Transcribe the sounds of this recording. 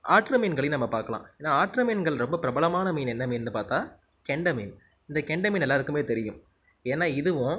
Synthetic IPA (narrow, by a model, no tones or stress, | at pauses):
aːʈɾɐmiːnɡɐɭɪjnɐmːɐpaːɾkɐlã̰ːeːnːaːaːʈɾɐmiːnɡɐɭɾɔmbɐpɪɾɐbɐɭɐmaːnɐmiːnɛnːɐmiːnːɯpaːɾt̪aː | kɛɳɖɐmin | ɪnd̪ɐkɛɳɖɐmiːnɛlːaːðɯkːɯmeːt̪ɛɾɪjɯ̰m | eːnːaːɪðɯʋʊ̃